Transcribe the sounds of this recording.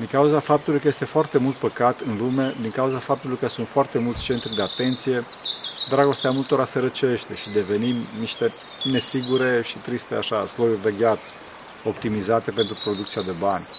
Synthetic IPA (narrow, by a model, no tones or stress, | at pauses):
d̪iŋkauzafap̚t̪ulujkəjest̪e̞foart̪e̞mult̪̚pəkat̪ɨnlume̞d̪iŋkauzafap̚t̪ulujkəsunt̪foart̪e̞multsʲt͡ʃe̞nt̪rʲd̪e̞at̪e̞nt̪sije̞d̪ɾaɡo̞st̪eamult̪o̞ɾaseɾət͡ʃe̞ʃt̪e̞ʃid̪e̞ve̞nimniʃt̪e̞ne̞siɡuɾe̞ʃit̪ɾist̪e̞a̰ʃaslo̞jurʲd̪e̞ɡʲat̪s | o̞pt̪imizat̪e̞pe̞nt̪ɾupɾo̞d̪ukt̪siad̪e̞banʲ